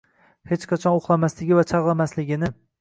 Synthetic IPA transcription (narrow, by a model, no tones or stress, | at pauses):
het͡ʃqʰɑt͡ʃʰɒnoχlˠamaslɪɡʲɪvat͡ʃʰɑʁlˠamaslɪɡʲɪnɪ